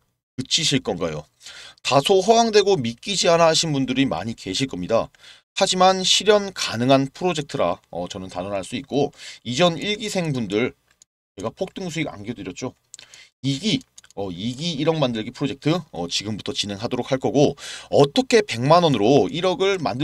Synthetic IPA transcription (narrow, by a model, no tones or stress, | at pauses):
kɯt͡ɕʰiɕʰiɭk͈ʌnɡajo | tasʰoɸʌwaŋdwe̞ɡomik͈id͡ʑianaɦaɕʰinbundɯɾima̰ɲike̞ɕʰiɭk͈ʌmɲida | had͡ʑimanɕʰiɾjʌnkanɯŋɦanpʰɯɾod͡ʑe̞k̚tʰɯɾa̰ʌt͡ɕʌnɯntanʌnɦaɭs͈uit̚k͈oid͡ʑʌniɭɡisʰe̞ŋbundɯɭ | t͡ɕe̞ɡapʰok̚t͈ɯŋsʰuiɡa̰nɡedwɯɾjʌt̚t͡ɕ͈o | iɡiʌiɡiːɾʌŋmandɯɭɡipʰɯɾod͡ʑe̞k̚tʰɯʌ̰t͡ɕiɡɯmbutʰʌt͡ɕine̞ŋɦadoɾok̚haɭk͈ʌɡoʌt͈ʌkʰe̞pe̞ŋmanʌnɯɾoiɾʌɡɯɭma̰ndɯ